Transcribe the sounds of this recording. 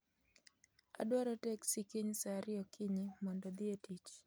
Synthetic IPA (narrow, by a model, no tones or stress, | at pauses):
a̰ɗwaɾɔtɛksikiɲsaɾiɔkiɲimɔndɔd̪ietit͡ʃ